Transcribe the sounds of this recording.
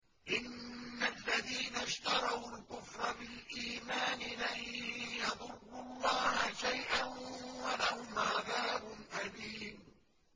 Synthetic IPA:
ʔɪnːalːaðiːnaʃt̪ɑɾˤɑwlkʊfɾˤɑbɪlʔiːmaːnɪlamjɑðˤʊrːʊlˤːɑːhʃajʔanwalahʊmʕaðaːbʊnʔaliːm

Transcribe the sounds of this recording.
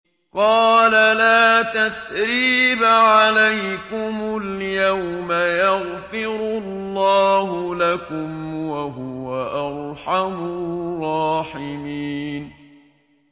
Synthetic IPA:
qɑːlalaːt̪aθɾiːbʕalajkʊmʊljawmajɑɣfɪɾʊlːɑːɦʊlakʊmwaɦʊwaʔɑɾˤħamʊrˤːɑːħɪmiːn

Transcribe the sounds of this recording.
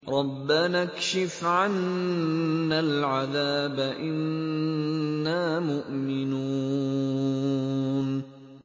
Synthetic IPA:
ɾˤɑbːanakʃɪfʕanː | alʕaðaːbaʔɪn | aːmʊʔmɪnuː | n

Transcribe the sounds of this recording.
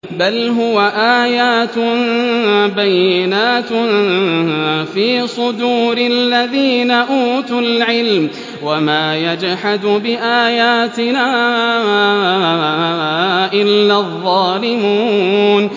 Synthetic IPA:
balɦʊwaʔaːjaːt̪ʊ | bajːɪnaːt̪ | fiːsˤʊd̪uːɾalːaðiːnaʔuːt̪ʊlʕɪlm | wamaːjad͡ʒħad̪bɪʔaːjaːt̪ɪnaː | ʔɪlːaːðˤːɑːlɪmuːn

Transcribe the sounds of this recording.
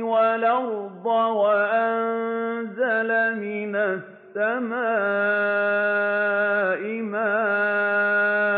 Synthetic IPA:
walawd̪ˤɑwaʔannzalamɪnasːamaː | ʔɪmaː

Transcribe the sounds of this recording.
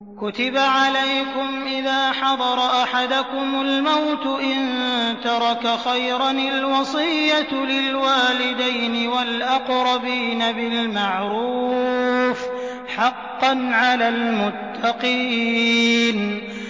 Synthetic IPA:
kʊt̪ɪbaʕalajkʊmʔɪðaːħɑd̪ˤɑɾˤɑʔaħad̪ʊkʊmʊlmawt̪ʊʔɪnt̪ɑɾˤɑkaxajɾɑnalwɑsˤɨjjːalɪlwaːlɪd̪ajnɪwalʔaqɾˤɑbiːnabɪlmaʕɾuː | f | ħɑqːɑnʕalaːlmʊt̪ʰːɑqiːn

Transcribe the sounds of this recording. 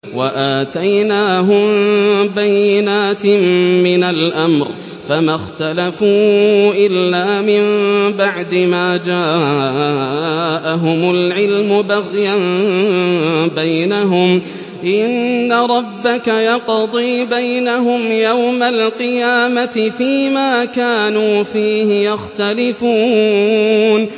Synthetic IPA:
waʔaːt̪ajnaːɦʊmbajːɪnaːt̪mːɪnalʔamɾ | famaxt̪alafuːʔɪlːaːmɪmbaʕd̪ɪmaːd͡ʒaː | ʔaɦʊmʊlʕɪlmʊbaɣjan | bajnaɦʊm | ʔɪnːaɾˤɑbːakajɑqd̪ˤiːbajnaɦʊmjawmalqɨjaːmat̪ɪfiːmaːkaːnuːfiːhɪjaxt̪alɪfuː | n

